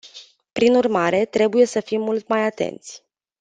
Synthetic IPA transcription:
pɾinurmaɾe̞t̪ɾe̞buje̞səfimːult̪majat̪e̞̰nt̪sʲ

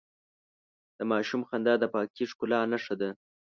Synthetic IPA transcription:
d̪̥əmɑʃumxand̪ɑd̪əpɑkiʂkʊlɑnaʂad̪a

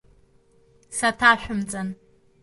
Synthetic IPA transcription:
sɐtʰaːʃʷʊmt͡sʼɐn

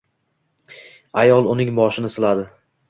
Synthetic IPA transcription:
ajɒlˠʊnɪŋbɒʃɪnɪsɪlad̪ɪ

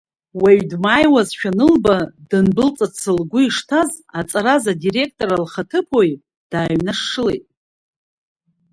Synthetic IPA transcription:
weɥdmaːjwazʃᶣanɨlbadɨnbɨlt͡sʼat͡sʰɨlɡʷʊiʂtʰaz | at͡sʼaɾazadire̞k̚ʰtʼo̞ɾalχatʰɨpʰo̞j | d̥aːɥnaʂːɨle̞jtʼ

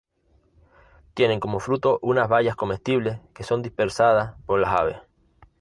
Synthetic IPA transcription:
t̪je̞ne̞ŋko̞mo̞fɾut̪o̞ʔunazβaʎasko̞me̞st̪iβle̞ske̞so̞nd̪ihpe̞ɾsaðaspo̞ɾlasa̰β̞e̞̰s

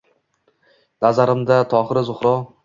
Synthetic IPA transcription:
nazaɾɪmd̪at̪ʰɒχɨɾɪzʊχɾɒ

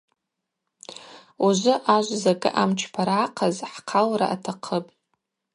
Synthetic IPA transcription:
uʒʷʊʔaʒʷzaɡʼɨ̰ʔamt͡ʃʰpʰaɾaqʰazħqʰalɾa̰ʔatʰaqʰəpʼ

